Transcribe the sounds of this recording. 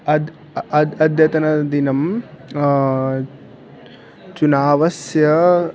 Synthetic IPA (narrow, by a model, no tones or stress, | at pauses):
ɐd̪ | ɐd̪ɐd̪ʱjɐt̪ɐnɐd̪inɐm | t͡ʃunaːʋɐsjɐ